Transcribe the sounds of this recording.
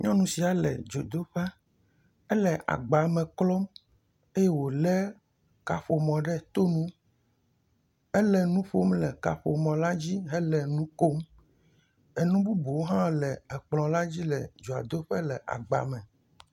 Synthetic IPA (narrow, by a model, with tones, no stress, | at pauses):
ɲɔ̃˦nũ˨si˨a˨lɛ̰˨d͡ʒo˨d̪o˦ɸɛ˦ | ɛ˦lɛ˨ʔa̰˨ɡ͡ba˨mɛ̃˨klɔ˦m | e˦je˦wo˨lɛ˦ | ka˨ɸo˨mɔ̃˨ɖɛ˦t̪o˦nũ˦ | ɛ˦lɛ˨nũ˦ɸo˦mlɛ˨ka̰˨ɸo̰˨mɔ̃˨la˦d͡ʑi˦ɦɛ˦lɛ˨nũ˦ko˦m | ɛ˨nũ˦bu˦bo˨wo˦ɦã˦lɛ˨ɛ˨k͡plɔ̃˨la˦d͡ʑi˦lɛ˨d͡ʒo˨a̰˨d̪o˦ɸɛ˦lɛ˨ʔa̰˨ɡ͡ba̰˨mɛ̃˨